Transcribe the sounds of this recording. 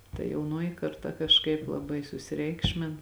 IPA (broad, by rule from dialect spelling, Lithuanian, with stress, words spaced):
tɐ jɛʊˈnoːjɪ kɐrˈtɐ kɐʃˈkɐɪp lˠɐˈbɐɪ sʊsʲɪˈrʲɛɪkʃʲmʲɪn